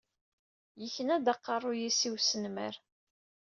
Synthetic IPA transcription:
jəçənæd̪ɑqːɑrˤːʊjisiwsənmæɾ

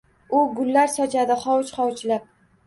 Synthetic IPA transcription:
ʊɡʊlːaɾsɒt͡ʃʰad̪ɪχɒwt͡ʃχɒwt͡ʃlap̚

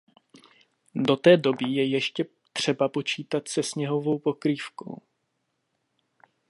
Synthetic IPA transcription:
do̞t̪ɛːdo̞bɪjɛjɛʃcɛ | t̪r̝̥ɛbapo̞t͡ʃiːt̪at̪sɛsɲɛɦo̞vo̞wpo̞kɾiːfko̞̰w

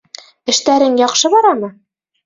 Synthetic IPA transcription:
ɘ̆ʃt̪æɾɘŋjɒqʃɤbɒɾɑmɤ

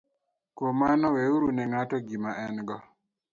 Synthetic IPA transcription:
komanɔweuɾunɛŋatɔɡimaʔɛnɡɔ

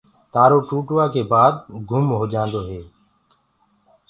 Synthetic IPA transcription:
t̪aːɾoːʈuːʈʋaːkeːbaːd̪̚ɡʱʊmɦoːd͡ʒãːnd̪oːɦeː

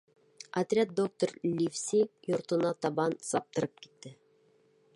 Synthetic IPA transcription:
ɐt̪rʲat̪̚d̪o̞k̚t̪oɾlʲifsʲijŏɾt̪ɤ̆nɑt̪ɑβɑnsɑp̚t̪ɤ̆ɾɤp̚ki̥t̪ːɘ

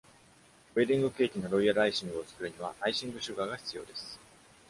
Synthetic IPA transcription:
oed̪ʲĩŋɡɯ̟ke̞ːkʲino̞ɾo̞iaɾaiɕĩŋɡɯ̟o̞t͡sɨ̥kɯ̟ɾɯ̟ɲ̟iβaʔaiɕĩŋɡɯ̟ɕɨɡaɡaçi̥t͡sɨjo̞ːd̪e̞sɨ̥

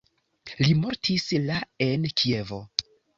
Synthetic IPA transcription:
limo̞ɾtʰislae̞nkʰie̞vo̞

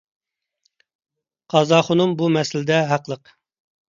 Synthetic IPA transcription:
qʰɑzɑχʊnumbumɛsɪlɪd̪ɛɦæqlˠəq

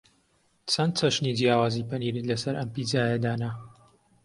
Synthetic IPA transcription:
t͡sʰɐnt̪̚t͡sɐʃnid͡ʒjaːwaːzipɐniːɾɨlɐsɐɾʔɐmpid͡zaːjɐd̪aːnɐ

